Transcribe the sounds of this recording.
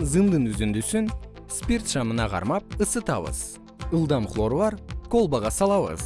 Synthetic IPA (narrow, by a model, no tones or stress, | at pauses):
zɨnd̪ənɵzend̪esɪn | spʲirt̪ʃɑmənɑʁɑ̰ɾmɑp̚əsət̪ɑ̰βə̰z̥ | əlˠd̪ɑmχlˠo̞ɾvɑɾko̞lˠbɑʁɑsɑlˠɑβə̰z̥